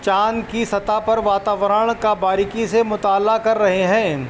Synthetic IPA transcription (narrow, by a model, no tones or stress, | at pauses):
t͡ʃaːnkisɐt̪apɐɾʋaːt̪aːʋəɾəɽ̃kabaːɾɪkisemʊt̪aːlakɐɾːɐɦeɦɛ̃ː